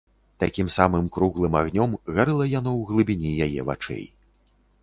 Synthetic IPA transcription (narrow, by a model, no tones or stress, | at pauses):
t̪akʲimsamɨmkɾuɣlˠɨmaɣnʲɔmɣaɾɨlˠɐjanɔwɣlˠɨbʲinʲijajɛ̰va̰t͡ʂɛ̰j